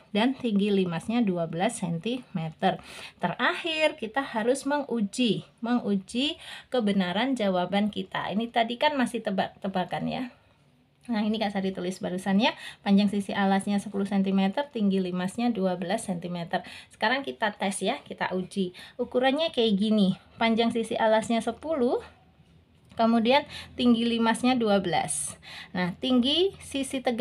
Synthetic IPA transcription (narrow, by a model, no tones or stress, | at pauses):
dant̪iŋɡilimasɲaduabəlasːɛnt̪imet̪ərt̪ərahɪrkit̪ahaɾʊsməŋud͡ʒiməŋud͡ʒikəbənaɾand͡ʒawabankit̪a̰ḭnit̪adikanmasɪht̪əba̰k̚t̪əbakanja̰ | nainikaʔsadit̪ulɪsbaɾusanɲapaɲd͡ʒaŋsisiʔalasɲasəpuluhsɛnt̪imet̪ərt̪iŋɡilimasɲaduabəlasɛnt̪imet̪ərsə̥kaɾaŋkit̪at̪ɛsjakit̪a̰ʔud͡ʒiukuɾanɲakaaɡini | paɲd͡ʒaŋsisiʔalasɲasəpulu | kəmudiant̪iŋɡilimasɲaduabəla̰snaht̪iŋɡisisit̪əɡ